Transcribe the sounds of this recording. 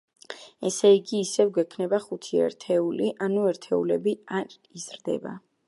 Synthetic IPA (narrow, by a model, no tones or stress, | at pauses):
ɛsɛiɡiːsɛvɡwɛkʰnɛbaχut̪ʰiɛ̰ɾt̪ʰɛuliʔanuɛɾt̪ʰɛulɛbiaɾ | izɾd̪ɛ̰ba̰